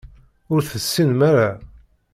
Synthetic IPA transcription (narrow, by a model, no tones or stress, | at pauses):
ʊɾθəsːinmæɾa